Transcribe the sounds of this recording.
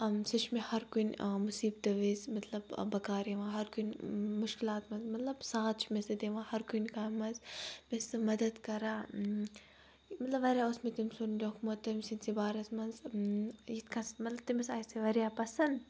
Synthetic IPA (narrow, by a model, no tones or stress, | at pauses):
ɐmsit͡ʃʰmehɐɾkunʲmusiːb̚t̪ɐʋezmɐt̪lɐbbɐkaːɾeʋãːɦɐɾkunmʊʃkilaːt̪mɐnzmɐt̪lɐbsaːt̪̚t͡ʃʰmesɐd̪eːʋãːhɐɾkunʲkaːmːɐnzmesɨmɐd̪ɐd̪kɐɾaː | mɐt̪lɐʋɐɾjaːosmet̪imsond̪ʲokmot̪ːɐmsinʲsibaːɾɐsmɐnz | jit̪kʰɐsmɐt̪lɐb̚t̪imɐsaːjseʋɐɾʲjaːpɐsɐnd̪